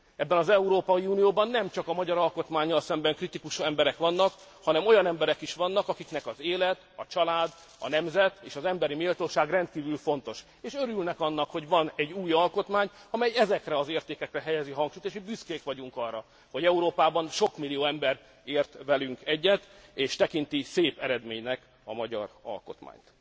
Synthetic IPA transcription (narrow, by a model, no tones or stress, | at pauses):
ɛbːɛnɒzɛuɾoːpɒiunijoːbɒnːɛmt͡ʃɒkɒmɒɟɒɾɒlko̞t̪maːɲːɒlsɛmbɛŋkrit̪ikuʃɛmbɛɾɛkʋɒnːɒk | hɒnɛmo̞jɒnɛmbɛɾɛkiʃʋɒnːɒkɒkiknɛkɒzeːlɛt̪ɒt͡ʃɒlaːd̪ | ɒ̰nɛmzɛt̪eːʃɒzɛmbɛɾimilt̪oːʃaːɡrɛnt̪kiːvylfo̞n̪t̪o̞ʃ | eːʃøɾylnɛkɒnːɒkho̞ɟʋɒnɛɟːuːjɒlko̞t̪maːɲɒmɛjɛzɛkrɛɒzeːrt̪eːkɛkrɛɦɛjɛziɦɒŋkʃujt̪eːʃbyskeːkʋɒɟuŋkɒrːɒ | ho̞ɟɛuɾoːpaːbɒnʃo̞kmilːijoːɛmbɛɾ | eːrt̪ʋɛlyŋkɛɟːɛt̪eːʃt̪ɛkint̪iseːpɛɾɛd̪meːɲnɛk | ɒmɒɟɒ̰rɒ̰lko̞̰t̪ma̰ːɲt̪